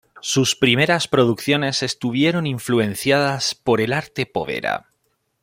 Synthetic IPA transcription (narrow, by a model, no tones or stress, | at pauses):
suspɾime̞ɾaspɾo̞ðukθjo̞ne̞se̞st̪uβ̞je̞ɾo̞niɱflue̞n̟θjað̞aspo̞ɾe̞laɾt̪e̞po̞̰βe̞̰ɾa̰